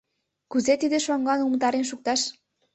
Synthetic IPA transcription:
kuzet̪id̪eʃoŋɡɑnumt̪ɑɾenʃ̬uk̚t̪ɑʃ

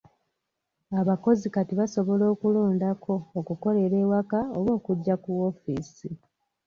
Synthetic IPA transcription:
aβako̞zikatiβaso̞βo̞lo̞ːkuloːndakʰo̞ːkuko̞le̞ɾe̞ːwakaoβwo̞ːkuɟːakuwo̞fiːsi

